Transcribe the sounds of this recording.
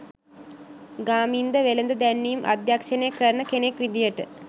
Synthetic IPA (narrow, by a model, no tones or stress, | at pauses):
ɡaːmind̪əʋelənd̪əd̪ænːijumʔa̰d̪jakʂənejəkəɾənəkenekʋid̪ijəʈə